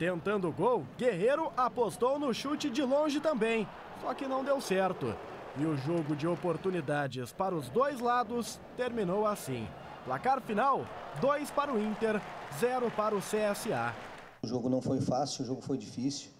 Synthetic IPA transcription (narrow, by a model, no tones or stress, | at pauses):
t̪ẽnt̪ɐ̃nd̪ʊʊɡowɡeɦeɾʊʔapost̪ownʊʃut͡ʃɪd͡ʒɪlõʒɪt̪ɐ̃mbẽj̃ | sɔkɪnɐ̃w̃d̪ewsɛɾt̪ʊ̰ | ɪʊʒoɡʊd͡ʒɪopoɾt̪unid̪ad͡ʒɪspaɾɐʊzd̪ojzlad̪ʊs | t̪eɾmĩnowasḭ̃ | plakaɾfinawd̪ojspaɾɐʊĩnt̪eɾzɛɾʊpaɾɐʊseɛsɪa̰ | ʊʒoɡʊnɐ̃w̃fojfasiʊʒoɡʊfojd͡ʒifisu̥w